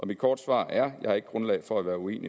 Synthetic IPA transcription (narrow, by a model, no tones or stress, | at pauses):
ʔɒ̽mid̥kʰɒːd̥sʋɑ̰̈ːæɐjɑ̈ɪhɑ̈e̝ɡ̥əɡ̥ʁɔ̽nlɛɪfɒ̽æʋæːɐue̝̰ːni